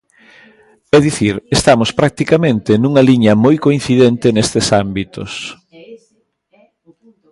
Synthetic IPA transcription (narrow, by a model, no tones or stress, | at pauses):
ɛðiθiɾest̪amʊspɾak̚t̪ikamẽnt̪enuŋɐliɲɐmojkoĩn̟θiðent̪enest̪esambit̪o̰s